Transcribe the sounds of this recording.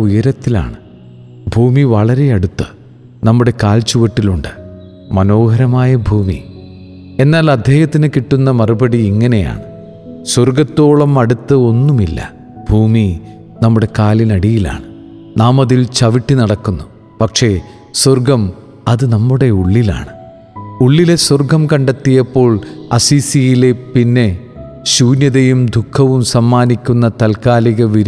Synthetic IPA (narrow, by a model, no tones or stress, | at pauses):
ujɐɾɐt̪ːila̰ːɳɨ | bʱuːmiʋɐɭɐɾe̞ɐɽut̪ːɨ | nɐmːuɽe̞kaːlt͡ɕuʋɐʈːiluɳɖɨ̥ | mɐno̞ːhɐɾɐmaːjɐbʱuːmi | e̞nːaːlɐd̪ʱːjeːjɐt̪ːinɨkiʈːunːɐmɐrubɐɽiiŋːɐne̞ja̰ːɳɨ | swɐrɡɐt̪ːo̞ːɭɐmɐɽut̪ːɨo̞nːumilːɐ̰ | bʱuːmi | nɐmːuɽe̞kaːlinɐɽijila̰ːɳɨ | naːmɐðilt͡ɕɐʋiʈːinɐɽɐkːunːu | pɐkʂe̞ | swɐrɡɐm | ɐðɨnɐmːuɽe̞uɭːila̰ːɳɨ | uɭːile̞swɐrɡɐmkɐɳɖɐt̪ːijɐpːo̞ːɭɐ̰siːsijile̞pinːe̞ | ɕuːnjɐðɐjumd̪ʱukʰːɐʋumsɐmːaːnikʲːunːɐt̪ɐlkaːliɣɐʋiɾ